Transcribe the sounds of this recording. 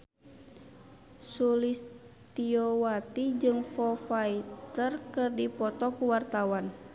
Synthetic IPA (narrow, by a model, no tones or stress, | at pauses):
sulist̪iɔwat̪id͡ʒɨŋfɔfait̪ərkɨrdipɔt̪ɔkuwart̪awan